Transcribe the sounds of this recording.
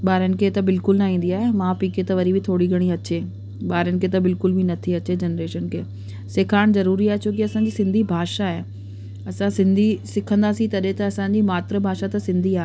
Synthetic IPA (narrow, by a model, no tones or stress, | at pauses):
ɓaːɾənɪ̆kʰet̪ɐbɪlkʊlnɐɦĩːn̆d̪iaːɦemãːpiːket̪ɐʋɐɾibɪt̪ʰoːɽiɡʱɐɽ̃iɐt͡ɕe | ɓaːɾənɪ̆kʰet̪ɐbɪlkʊlbʱɪnɐt̪ʰiɐt͡ɕed͡ʑɐnɾeːʃənkʰeː | sɪkʰaːɽ̃zɐɾuːɾiaːɦet͡ɕʰoːk̬iɐsãːɲ̆d͡ʑiːsɪ̃nd̪ʱibʱaːʃaɦe | ɐsãsɪ̃nd̪ʱisɪkʰə̃nd̪aːsĩt̪ɐɗɦẽt̪ɐɐsãːɲd͡ʑimaːt̪ɾəbʱaːʃat̪ɐsɪ̃nd̪ʱiaːɦe